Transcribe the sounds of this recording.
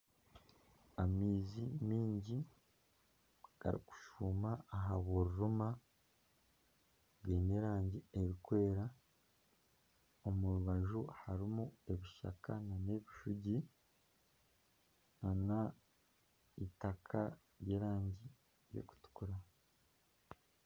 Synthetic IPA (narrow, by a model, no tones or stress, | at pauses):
amiːzimiːɲɟi | ɡ̥a̰ɾḭku̥ʃuːmaːɦaβoɾuɾuma | bɡeːne̞ːɾaːɲɟie̞ɾikwe̞ːɾa | o̞muɾuβaʒuhaɾimue̞βiʃa̰kanane̞βiʃuɟi | nana | itakʰa̰ | ɾjeːɾaːɲɟi | jo̰ku̥tu̥kuɾa